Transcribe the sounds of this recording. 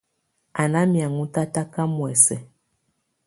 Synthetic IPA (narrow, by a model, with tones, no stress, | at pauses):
a˨na˦mja˨ŋu˦ta˦ta˦ka˦mwɛ˨sɛ˨